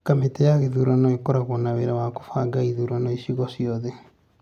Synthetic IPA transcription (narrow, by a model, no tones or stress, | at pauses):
kametɛjaɣeðuɾanɔekɔɾaɣɔnaweɾawako̥faɡaiðuɾanɔisiɣɔsiɔðɛ